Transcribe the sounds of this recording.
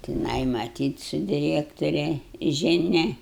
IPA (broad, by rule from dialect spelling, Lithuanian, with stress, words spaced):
tʲɪˈnɐɪ mɐˈtʲiːt sʊ dʲɪˈrʲæːktʊrʲɛ ʒʲɪˈnʲɛ